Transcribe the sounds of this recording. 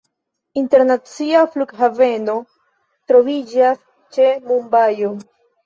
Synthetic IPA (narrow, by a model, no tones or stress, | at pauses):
inte̞ɾnat͡siafluɡɦave̞no̞ | tɾo̞vid͡ʒas | t͡ʃe̞mumbajo